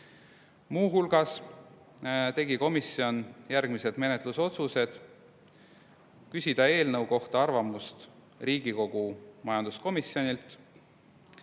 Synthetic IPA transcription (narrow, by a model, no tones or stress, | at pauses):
muːɦulɡ̥ɑs | t̪e̞ɡiko̞misio̞njærɡ̥mised̪me̞net̪ˑluso̞t̪suse̞d̪̥ | kysʲid̪̥ɑe̞ːlnɤwko̞ht̪ɑɑrvɑmust̪ | riːɡiko̞ɡ̥umɑjɑnd̪̥usko̞misjo̞nʲilt̪ˑ